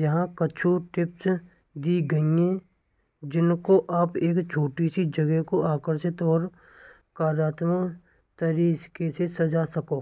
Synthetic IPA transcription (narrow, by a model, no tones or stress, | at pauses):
jɐɦãkɐt͡ʃʰuʈɪps | d̪iːɡɐiɛ̃ | d͡ʒɪnkoʔaːpeːkt͡ʃʰoːʈisid͡ʒɐɡɛɦkoʔaːkəɾsɪt̪ɔːɾ | kaːɾjaːt̪mə | t̪əɾiːskesesɐd͡ʒasɐkoː